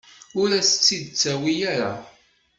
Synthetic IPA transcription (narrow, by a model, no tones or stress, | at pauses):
ʊɾæsət͡sːid̪t͡sːæwijaɾa̰